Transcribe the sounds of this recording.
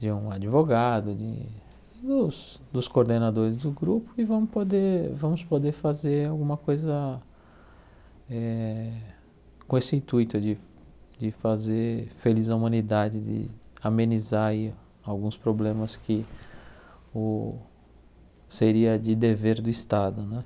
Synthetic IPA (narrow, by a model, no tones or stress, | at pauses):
d͡ʒɪũad͡ʒivoɡad̪ʊd͡ʒɪ̰ | d̪ʊs | d̪ʊskoɾd̪enad̪oɾɪzd̪ʊɡɾupʊɪvɐ̃mʊpod̪eɾvɐ̃mʊspod̪eɾfazeɾawɡũmɐkojzɐ | ɛ | kõesɪĩnt̪ujt̪ʊd͡ʒɪ | d͡ʒɪfazeɾfelizɐumɐ̃nid̪ad͡ʒɪd̪ɪ̰amẽnizaɾi | awɡũspɾoblẽmɐskɪ | ʊ | seɾiɐd͡ʒɪd̪eveɾd̪ʊist̪ad̪ʊnɛ̃